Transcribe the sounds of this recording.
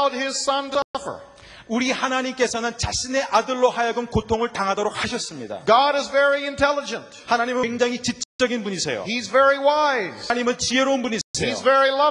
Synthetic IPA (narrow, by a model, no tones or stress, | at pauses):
d̚ɪz̥sʌ̃ntəʌfə̰˞ | uɾihanaɲimk͈e̞sʰʌnɯnt͡ɕaɕʰine̞ʔadɯɭːohajaɡɯnkotʰoŋɯɭtaŋɦadʌɾok̚haɕʰʌs͈ɯmɲida̰ɡ̥ɑɾɨzvɛɹiɨ̃ntʰɛlˠəd͡ʒɨ̃nthanaɲimɯŋd͡ʑaŋɦit͡ɕit͡ɕ͈ʌt͡ɕ͈ʌɡinpuɲisʰe̞̰jo̰hizvɛɹiwaɪz̥ɲimɯnt͡ɕieɾonbuɲisʰejḭzvɛɹilʌ